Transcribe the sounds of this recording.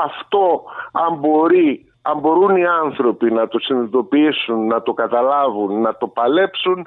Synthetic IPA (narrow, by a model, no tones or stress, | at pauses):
ɐft̪o̞ɐmbo̞ɾi | ɐmbo̞ɾuniɐnθɾo̞pinɐt̪o̞sinit̪o̞piisunːɐt̪o̞kɐt̪ɐlɐvunːɐt̪o̞pɐle̞psun